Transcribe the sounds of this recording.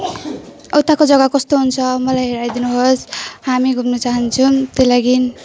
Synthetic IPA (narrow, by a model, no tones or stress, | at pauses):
ʌwt̪akod͡zʌɡakʌst̪oɦunt͡sʰʌmʌlajɦeɾajd̪inuɦoshamiɡʱumnʌt͡saɦʌnt͡sʰut̪elaɡin